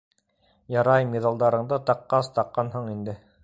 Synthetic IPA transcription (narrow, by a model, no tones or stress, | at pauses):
jɑɾɑjmiðɑlˠd̪ɑɾɤ̆ɴd̪ɤt̪ɑqːɑst̪ɑqːɑnɦɤɴind̪ɘ